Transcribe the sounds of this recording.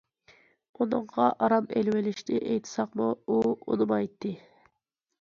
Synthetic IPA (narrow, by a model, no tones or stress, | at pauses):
unɨɴʁɑʔɑɾɑmelwɪlɪʃt̪ɪʔejt̪ʰɪ̥sɑqmuuṵnɨmɑjt̪ʰːɨ